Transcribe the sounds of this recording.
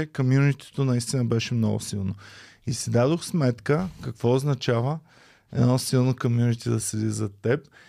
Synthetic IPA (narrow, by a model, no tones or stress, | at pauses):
ɛkomjunit̪i̥t̪onɐist̪inəbɛʃɛmnɔ̰ɡʊ̰silˠno | isid̪ad̪oxsmɛt̪kəkɐkv̥ɔʊznɐt͡ʃavə | ɛd̪nɔsilˠnokomjunit̪id̪ɐsɛd̪izɐt̪ɛp